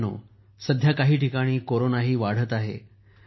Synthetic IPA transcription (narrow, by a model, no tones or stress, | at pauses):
no̰ | səd̪ʱjakaɦiːʈikaɽ̃iːkoɾonaɦiːʋaɽ̤ət̪aɦḛ